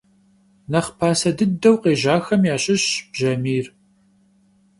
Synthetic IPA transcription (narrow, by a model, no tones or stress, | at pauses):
nɐχpʰaːsɐdɨdɐwqeːʑaːxɐmjaːɕʼɪɕb̥ʒɐmiːr